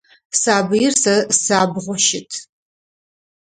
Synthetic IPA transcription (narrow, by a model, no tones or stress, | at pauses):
saːbɨjɪrsɐsaːbʁʷɔʃɪtʰ